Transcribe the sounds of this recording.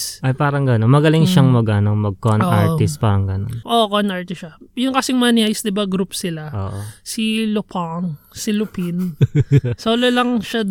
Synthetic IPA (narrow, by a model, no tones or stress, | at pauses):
ʔɐjpaːɾɐŋɡɐnonmɐɡɐlɪŋʃɐŋmɐɡɐnoŋmɐɡ̚konʔaɹt̪ɪst̪̚paːɾɐŋɡɐnonʔokonaɹt̪ɪʃɐjʊŋkɐsɪŋmanɪajsd̪ɪbaɡɾupsɪlaʔoːʔsilʊpaŋsɪlʊpin | soːlɐlɐŋʃad̪